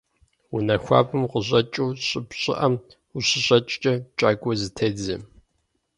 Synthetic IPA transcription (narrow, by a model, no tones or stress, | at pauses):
unɐxʷa̰ːbɨmqəʑʼɐt͡ʃʼuːɕʼɪpɕʼɪ̰ʔɐm | uɕɪɕʼɐt͡ʃʼt͡ʃʼɐt͡ʃʼaːɡʷʼɔzɨtʰɐːd͡zɐ̰m